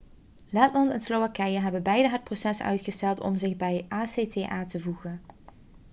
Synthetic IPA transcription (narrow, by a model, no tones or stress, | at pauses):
lɛtlɑntɛnslowʋakɛjəɦɛbəbɛjdəɦət̚prosɛsœ̰ɥtχəstɛlˠtɔ̰mzɪχbɛjʔaːseːteːʔaːtəvuɣən